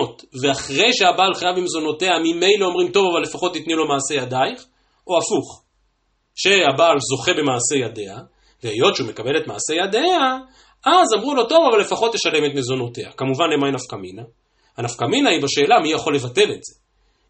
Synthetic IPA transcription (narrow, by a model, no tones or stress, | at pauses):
tveaχʁe̞jʃe̞abaːlχajavbimezo̞no̞teamime̞jleomʁimto̞vavalːefaχo̞t̪ːitnilo̞maːse̞jadajiχ | o̞afuχ | ʃe̞habaːlzo̞χe̞be̞maːse̞jade̞a | veejo̞tt͡ʃeume̞kabe̞le̞tmaːse̞jadea | azamʁulo̞to̞vavalːe̞faχo̞t̪ːeʃale̞metmezo̞no̞te̞a̰kamuvanlemajnafkamina | hanafkaminaibaʃeːlamijaχo̞le̞vate̞le̞tz̥e̞